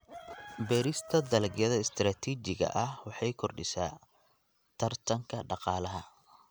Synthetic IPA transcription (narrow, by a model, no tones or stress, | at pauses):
bɛːɾɪst̪ʰɐd̪ɐlɡjɐðɐɪst̪ʰɾaːt̪ʰiːt͡ʃɪɣɐ̰ʔɐhwɑħɑjkʰɔrɖɪsaː | t̪ʰɐrt̪ʰɐŋkʰɐɖɑqɑːlɐɦɐ